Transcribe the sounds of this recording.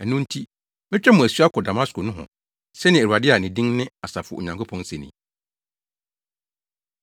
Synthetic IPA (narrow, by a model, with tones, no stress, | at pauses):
ɛ˨nʊ̃˦n̩˦tʰi˦ | mɪ̃˦t͡ɕᶣɛ˦mʊ̃˨æ˨su˦a˦kʰɔ˨da˨mã˦sko˨nʊ̃˦ɦɔ̰̃˨ | sɛ˦nɪ̃˨æ˨ɾu˨a˨dɪ˦a˨nɪ̃˨dĩ˦ŋnɪ̃˦a˨sa˨fʊ˨o˨ɲã˨ŋkʰo˦pʰɔ̃˨n˦sɛ˨nḭ̃˨